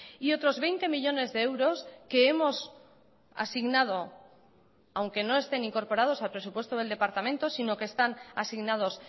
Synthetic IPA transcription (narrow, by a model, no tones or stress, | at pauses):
io̞t̪ɾo̞zβe̞jnt̪e̞miʎo̞ne̞zðe̞ewɾo̞ske̞emo̞s | a̰siɣnað̞o̞ | awŋke̞no̞e̞st̪e̞nĩŋko̞ɾpo̞ɾað̞o̞salpɾe̞su̥pwest̪o̞ð̞e̞ld̪e̞paɾt̪amẽnt̪o̞sino̞keːst̪anasiɣnað̞o̞s